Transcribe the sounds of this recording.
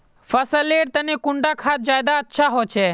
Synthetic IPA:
fəsəleːɽt̪ɐnekʊɳɖakʰaːt̪̚d͡ʒaːjd̪aɐtːʃʰaɦoːt͡ʃʰeː

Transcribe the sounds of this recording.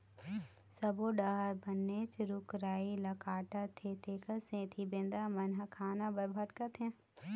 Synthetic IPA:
sɐboːɖɐɦəɾbɐnːeːt͡ʃɾʊkɾaːilɐkaːʈat̪ʰeːt̪ʰeːkɐsẽːt̪ʰibɪ̃nd̪amɐnɦɐkʰaːnabɐɾbʱɐʈkɐt̪ʰẽ

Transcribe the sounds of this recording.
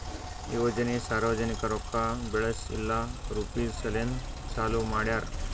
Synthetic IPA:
iʋod͡ʑənisaɾʋəd͡zənikaɾɔkːabeɭəsḭlːaɾupisəlen | t͡salumaɽjaɾ

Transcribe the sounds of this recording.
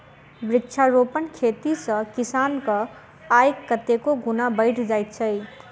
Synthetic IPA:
bɾɪtːt͡ʃʰaɾopənkʰet̪isʌ̃kisankʌ | ajkːʌt̪ekoɡunabəɪʈʰd͡ʒajt̪̚t͡ʃʰʌj

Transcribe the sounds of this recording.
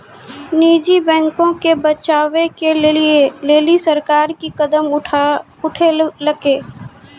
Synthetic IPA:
niːd͡ʒibɛ̃ːŋkõkebɐt͡ʃaːʋekelieleːlisɐɾkaːɾkikɐd̪əm | ʊʈʰelɐɡeː

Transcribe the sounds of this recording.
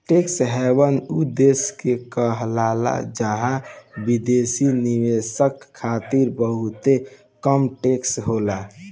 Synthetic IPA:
ʈeksɦɛwənud̪eskekəɦlala̰d͡ʒaɦãbid̪esiniʋesəkʰːat̪iɾbəɦut̪e | kəmʈeksɦola

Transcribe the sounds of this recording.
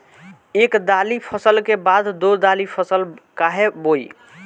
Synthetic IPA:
ekd̪alipʰəsəlkebad̪d̪od̪alipʰəsəlkaɦeboji

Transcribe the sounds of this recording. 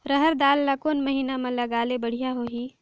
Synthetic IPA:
ɾəɦəɾd̪aːlːakoːnməɦiːnamẽlɐɡaːlebəɽ̤ijaɦoɦiː

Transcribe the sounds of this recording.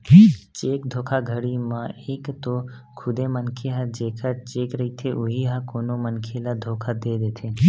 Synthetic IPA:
t͡ʃeːkd̪ʱokʰaɡʱəɽimãekt̪o | kʰʊd̪emənkʰeɦad͡ʒekʰat͡ʃeːkɾəɦit̪ʰeʔuɦiɦakonomənkʰelad̪ʱokʰad̪ed̪et̪ʰe

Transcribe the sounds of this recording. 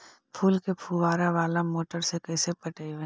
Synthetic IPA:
pʰuːlkepʰuʋaːɾaʋaːlamoːʈəɾsekɛːsepɐʈeiʋe

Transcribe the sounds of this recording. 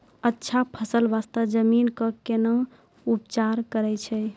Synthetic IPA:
ətːʃʰapʰəsəlbast̪əd͡ʒəminkəkenə̃ | upt͡ʃaɾkəɾɛt͡ʃʰɛ

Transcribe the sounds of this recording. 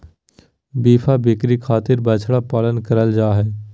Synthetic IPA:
biːpʰabɪkɾikʰaːt̪ɪɾbət͡ʃʰɽapaːlənkəɾəld͡ʒaːɦɛː

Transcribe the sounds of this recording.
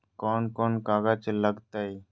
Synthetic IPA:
koːnkoːnkaːɡat͡ʃləɡt̪ai

